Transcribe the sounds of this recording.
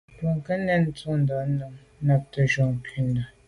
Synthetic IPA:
tu˨ŋ˨kə˦nɛ˦nn̩˦t͡su˦˨n̩˨dɔ˨˦nə˨ŋ˦na˦˨p̚tə˨ʒɔ˨ŋ˨ki˦ndə˨

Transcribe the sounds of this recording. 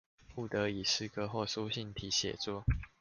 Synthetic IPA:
pu˥˩t̪ə˨˥i˨˩ʂɻ̩˥˨kʰɤ˥xwɔ˥˩su˥ɕi˥˨nt̪ʰi˨˥ɕjɛ̰˨˩t͡swɔ˥˨

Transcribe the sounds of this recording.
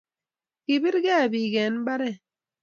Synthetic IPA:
ki˨bi˦ɾɡe˦a˨bi˨ɡɛ˨˦n˦ba˦ɾɛ˦

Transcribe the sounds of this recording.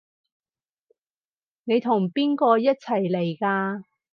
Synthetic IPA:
ne˨˧jt̪ʰʊ˨˩ŋpiː˥nkɔː˧jɐ˥t̚t͡sʰɐ˨˩jle˨˩jkaː˧

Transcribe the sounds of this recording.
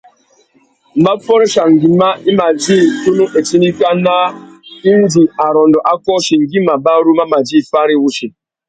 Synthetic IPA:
m̩ba˦fɔ˦ɾʃa˨ŋ˨ɡi˨ma˦i˦ma˨d͡ʒi˦tu˦nu˦ʔe˨ti˦ni˦ka˦na˦i˦n˦d͡ʒi˨a˨ɾɔ˨ndɔ˨ʔa˦kɔ˦ʃi˨ŋ˨ɡi˦ma˨ba˦ɾu˦ma˦ma˨d͡ʒi˦˨fa˦ɾi˦wu˦ʃi˨

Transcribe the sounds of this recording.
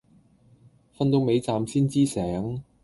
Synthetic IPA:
fɐ˥nt̪o˨˧wme˨˧jt͡saː˨msiː˥nt͡siː˥sɛː˨˥ŋ

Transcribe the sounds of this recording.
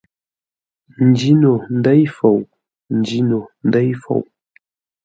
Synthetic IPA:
n̩˨d͡ʒi˦no˨n̩˦də˦jfo˨w | n̩˨d͡ʒi˦no˨n̩˦də˦jfo̰˨w

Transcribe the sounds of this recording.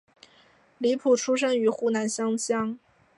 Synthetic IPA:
li˧˥pʰu˨˩ʈ͡ʂʰu˥ʂ̬ə˥ŋy˧˥xu˥˩na˧˥nɕjɑ˥ŋɕjɑ˥ŋ

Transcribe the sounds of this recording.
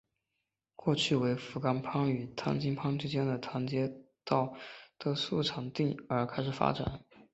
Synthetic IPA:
kwɔ˥˧t͡ɕʰy˥˩we˧˥ɪfu˧˥ka˥npʰɑ˥ŋy˨˩t̪ʰa̰˥nt͡ɕi˥ŋpʰɑ˥ŋʈ͡ʂ̩ʰ˥t͡ɕjɛ˥nd̪ə˨t̪ʰa˧˥nt͡ɕjɛ˥t̪ɑ˥˩ʊt̪ɤ˥˧su˥˩ʈ͡ʂʰɑ˨˩ŋt̪i˥˩ŋə˞˧˥kʰa˥ɪʂɻ̩˨˩fa̰˥ʈ͡ʂa̰˨˩˦n

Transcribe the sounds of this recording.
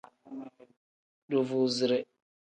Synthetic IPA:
do˨vu˨zɪ˨ɾɛ˦

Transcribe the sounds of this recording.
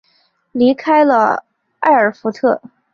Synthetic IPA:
li˧˥kʰa˥ɪlə̰˧ | a̰˥˩ɪə˞˨˩fu˧˥t̪ʰɤ˥˩

